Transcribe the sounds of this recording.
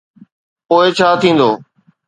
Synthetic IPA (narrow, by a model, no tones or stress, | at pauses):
poːɪt͡ʃʰaːt̪ʰĩːn̆d̪o̰ː